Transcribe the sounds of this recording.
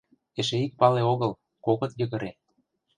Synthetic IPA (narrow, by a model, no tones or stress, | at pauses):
eʃeik̚pɑleoɣɤ̆l | koɣɤ̆t̪jɤ̆ɣə̆ɾe